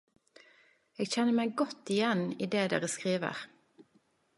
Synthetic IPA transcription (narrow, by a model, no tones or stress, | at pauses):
eːɡçɛnəmæɪɡɔt̪ɪjɛniːd̪eːd̪ḛːʁəskʁiːʋə̰ʁ